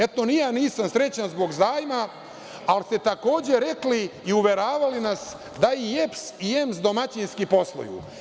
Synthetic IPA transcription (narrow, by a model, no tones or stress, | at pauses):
e̞t̪o̞nijaːniːsamsɾe̞t͡ɕanzbo̞ɡzaːjma | alst̪e̞t̪ako̞ːd͡ʑe̞ɾe̞kliiuʋe̞ɾaːʋalinas | d̪aiepsie̞msd̪o̞mat͡ɕinskipo̞slˠo̰jṵ